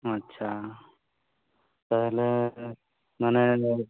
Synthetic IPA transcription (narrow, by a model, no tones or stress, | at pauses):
ətːɕʰa | pəɦle | məne